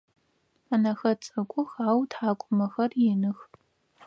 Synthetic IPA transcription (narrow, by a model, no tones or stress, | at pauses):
aːnɐxɐt͡sʼɐkʷʼʊxaːwtʰħaːkʷʼʊmɐxɐrjɪnɨx